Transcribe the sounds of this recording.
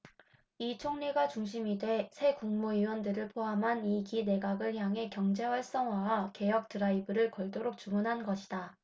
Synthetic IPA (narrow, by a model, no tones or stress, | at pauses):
it͡ɕʰoŋniɡat͡ɕuŋɕ̬ʰimidwe̞sʰe̞kuŋmuiwʌndɯɾɯɭpʰoamɦanikine̞ɡaɡɯɭçjaŋɦe̞kjʌŋd͡ʑe̞waɭs͈ʌŋɦwaake̞jʌk̚tɯɾaibɯɾɯɭkʌɭt͈oɾok̚t͡ɕumunɦanɡʌɕʰi̥da